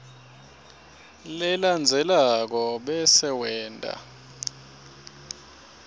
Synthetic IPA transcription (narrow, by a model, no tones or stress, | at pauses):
lɛland͡zʱɛlak̬ɔɓɛsɛwɛːntʼa̰